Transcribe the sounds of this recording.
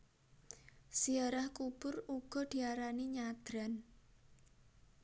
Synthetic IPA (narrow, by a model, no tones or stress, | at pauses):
siaɾahkub̥ʊruɡ̥ɔ̤d̪̥i̤aɾaniɲad̪̥ɾa̤n